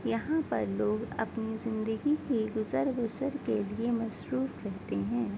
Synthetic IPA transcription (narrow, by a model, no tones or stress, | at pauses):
jɐɦãpɐ̰ɾloːɡɐ̰pnizɪ̃nd̪əɡikeɡʊzəɾbʊsəɾkeliemɐsɾuːfɾɛɦt̪eɦɛ̃ː